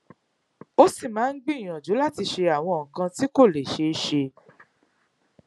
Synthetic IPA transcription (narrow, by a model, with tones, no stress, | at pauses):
o˦si˦˨mãː˨˦n̩˦ɡ͡bĩ˦˨j̃ã˨d͡ʒu˨˦la˦ti˧ʃe˧a˨w̃ɔ̃˧ŋ̩˨kã˧ti˦ko˦˨le˨ʃe˧˦ʃe˧